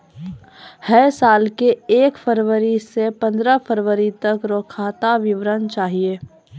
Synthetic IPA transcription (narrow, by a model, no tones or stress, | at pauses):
hɛsaːlkeeːkfʰəɾʋəɾisepə̃nd̪ɾəpʰəɾʋəɾit̪ɐkɾoːkʰaːt̪aʋɪʋɾənt͡ʃaːɦieː